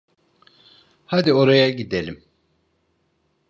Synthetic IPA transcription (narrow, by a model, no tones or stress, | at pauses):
had̪ioɾajaɟid̪elʲim